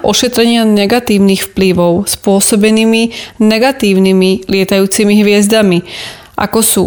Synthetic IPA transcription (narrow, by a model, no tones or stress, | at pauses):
ʔɔʃɛt̪ɾɛɲɪanɛɡat̪iːʊnixfpliʋɔʊspʊɔsɔbɛniminɛɡat̪iːʊnimilɪɛt̪ajuːt͡simiɦʋɪɛzd̪ami | ʔa̰kɔsuː